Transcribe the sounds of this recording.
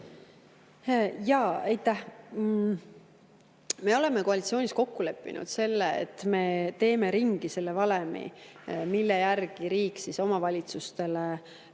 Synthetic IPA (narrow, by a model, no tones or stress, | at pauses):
jɑejt̪ˑːæh | me̞o̞le̞me̞koɑlit̪sio̞ːnʲisko̞kːule̞pːḭnṵd̪̥se̞lːeḛt̪ːˑme̞t̪e̞ːme̞ɾiŋɡ̥ise̞lːe̞vɑlemḭmilːejærɡ̥iɾiːksiso̞mɑvɑlʲit̪sust̪e̞le